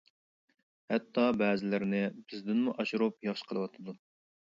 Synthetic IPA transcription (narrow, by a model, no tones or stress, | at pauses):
hɛt̪ʰːɑbɛːzɪlɪɾnɪbɪzd̪ɪnmuʔɑʃuɾup̚jɑχʃə̥qʰəlˠəwɑt̪ʰɨd̪u